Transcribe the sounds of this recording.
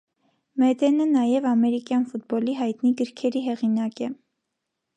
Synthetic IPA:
mɛd̪ɛnənɑjɛvɑmɛɾikjɑnfut̪̚bɔliɦɑjt̪niɡəɾkʰɛɾiɦɛʁinɑkɛ

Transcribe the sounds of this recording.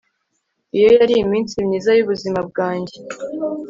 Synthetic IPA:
ijo̞jaɾiːmiːnsimɲiːzajuβuzimab̚ɡaːɲɟe

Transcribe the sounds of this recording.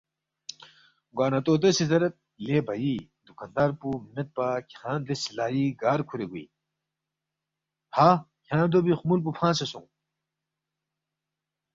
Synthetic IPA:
ɡaːnat̪oːt̪̬esizɐɾɐt̪̚ | leːbʱɐjid̪ukand̪aːɾpumet̪̚paːkʲʰãːnd̪esilaːjiɡaːɾkʰuɾeɡuḭː | haːkʰjãːnd̪obixumulp̬upʰãːsesũŋ

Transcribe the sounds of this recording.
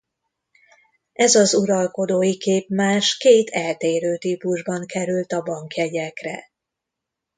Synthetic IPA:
ɛzɒzuɾɒlko̞d̪oːjikeːpmaːʃkeːt̪ʰɛlt̪eːɾøːt̪iːpuʒbɒŋkɛɾylt̪ɒbɒŋkjɛɟɛkrɛ̰

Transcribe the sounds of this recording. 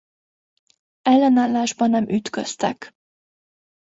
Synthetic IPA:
ɛlːɛnaːlːaːʒbɒnːɛmyt̪køst̪ɛ̰k

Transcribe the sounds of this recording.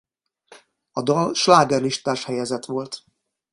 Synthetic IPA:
ɒd̪ɒlʃlaːɡɛrliʃt̪aːʃhɛjɛzɛt̪ʋo̞lt̪

